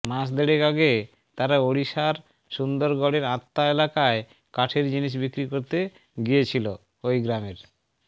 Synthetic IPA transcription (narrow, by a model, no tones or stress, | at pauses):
mãʃd̪eɽekaɡe | t̪aɾaoɽiʃaɾ | ʃund̪oɾɡɔɽeɾat̪ːaelakae | kaʈʰeɾd͡ʑiniʃ̬bikɾikoɾt̪e | ɡijet͡ɕʰilo | ojɡɾameɾ